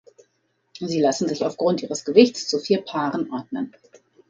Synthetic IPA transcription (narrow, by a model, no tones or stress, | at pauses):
ziːlasn̩zɪçaʊfɡ̥ʁʊntʔiːʁəsɡ̥əvɪçtt͡st͡sufiːɐpʰaːʁənʔɔɐdnən